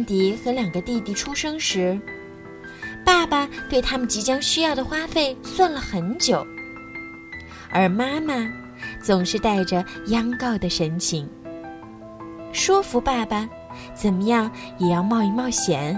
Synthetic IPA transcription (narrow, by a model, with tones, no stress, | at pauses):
nt̪i˧˥xɤ˧˥ljɑ˨˩ŋɡə˦t̪i˥˧t̪i˥˩ʈ͡ʂʰu˥ʂɤ˥ŋʂɻ̩˧˥ | pa˥˩ba˨˩t̪we˥˩ɪt̪ʰa˥mə˨nt͡ɕi˧˥t͡ɕjɑ˥ŋɕy˥jɑ˥˩ʊd̪ə˩xwa˥fe˥˩ɪswa˥˩nlə˩xə˧˥nt͡ɕjo˨˩˦ʊ | ə˞˧˥ma˥ma˨ | t͡sʊ˨˩ŋʂɻ̩˥˧t̪a˥˩ɪʈ͡ʂə˩jɑ˥ŋkɑ˥˩ʊd̪ə˩ʂə˧˥nt͡ɕʰi˧˥ŋ | ʂwɔ˥fu˧˥pa˥˩ba˨˩ | t͡sə˨˩nmə˦jɑ˥˩ŋ | jɛ˨˩jɑ˥˧ʊmɑ˥˧ʊi˥˧mɑ˥˩ʊɕjɛ˧˥˦n